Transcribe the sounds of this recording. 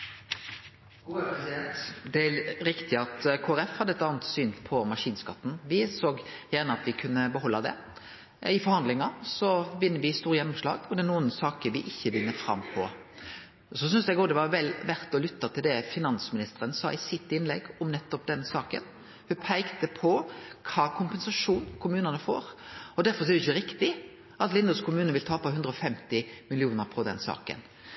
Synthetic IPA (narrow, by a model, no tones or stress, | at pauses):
upɛsɪd̪ɛnt̪d̪ɛæɾɪkt̪ɪɑt̪kʰoːæɾɛfhɑd̪əɛt̪ːɑːnət̪syːnpʰɔmɑʂiːnskɑt̪ːn̩ʋɪsoːɡjæʁɳəɑt̪ʋɪkʰʉnːəbəɦɔlːɑd̪ɛ̰ | ɪfɔɾhɑnd̪lɪŋɑsɔʋɪnːəʋɪst̪uːɾjɛnːʊmʂlɑ̰ːɡɔd̪ɛːnuːənsɑːkəɾʋɪʔɪçːəʋɪnːəfɾɑ̰mːpʰɔ | sɔs̬ʏnsd̪æɪɡoːd̪ɛʋɑɾʋɛlʋæɾt̪ɔlʏt̪ːɑt̪ʰɪld̪ɛfɪnɑnsmɪnɪst̪əɾənsɑ̰ːʔɪsɪt̪ːɪnlɛ̰ɡːʊmnɛt̪ːɔp̚d̪ɛnsɑːkə̰n | hʉpʰæɪkt̪əpʰɔkʰɑːkʰʊmpɛnsɑʂuːnkʰʊmʉːnɑnəfo̰ːɾɔd̪æɾfɔsɔɛɾɛɪçəɾɪkt̪ɪ | ʔɑt̪lɪnd̪ɑskʰʊmʉːnənʋɪlt̪ʰɑːpɔɦʉnd̪ɾəɔfɛmt̪ɪmɪlɪuːnəɾpʰɔd̪ɛ̰nsɑ̰ːkə̰n